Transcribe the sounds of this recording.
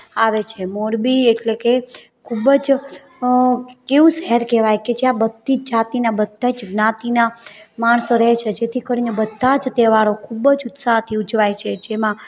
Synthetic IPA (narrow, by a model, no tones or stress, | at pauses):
aʋet͡ʃʰemoɾbieʈleke | kʰubəd͡ʒ | keʋũsɛɦɛɾkɛʋajked͡ʒjãbəd̪ːid͡ʒat̪inabəd̪ʱːad͡ʒɡnat̪inamaɳsoɾəɦt͡ʃʰed͡ʒet̪ʰikəɾinebəd̪ʱːad͡ʒt̪eʋaɾokʰubəd͡ʒʊt̪saɦt̪ʰiʊd͡ʒʋajt͡ʃʰed͡ʒemã